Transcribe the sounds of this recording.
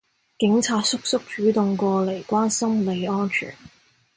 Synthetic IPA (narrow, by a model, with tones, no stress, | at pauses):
kɪ˨˥ŋt͡sʰaː˧t̚sʊ˥k̚sʊ˥k̚t͡ʃyː˨˥t̪ʊ˨ŋkʷɔː˧le˨˩jkʷaː˥nsɐ˥mle˨˧jɔː˥nt͡ʃʰy̰ː˨˩n